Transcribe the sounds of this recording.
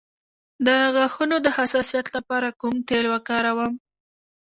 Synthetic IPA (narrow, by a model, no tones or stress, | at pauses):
d̪əɣaxunod̪əhasɑsijɑt̪lapɑɾakumt̪elwakɑɾawəm